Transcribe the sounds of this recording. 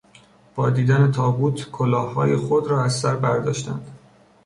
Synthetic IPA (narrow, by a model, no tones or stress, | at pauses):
b̥ɒːd̪iːd̪æne̞t̪ʰɒːbuːt̪ʰkʰolɒːhːɒːjexod̪ɾɒːæzsæɾbæɾd̪ɒ̰ːʃt̪ænd̪̥